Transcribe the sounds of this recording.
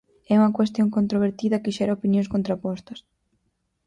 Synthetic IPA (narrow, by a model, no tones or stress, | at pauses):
ɛuŋɐkwest̪joŋkont̪ɾoβeɾt̪iðɐkɪʃɛɾɐopinjõŋs̬kont̪ɾapɔst̪ɐs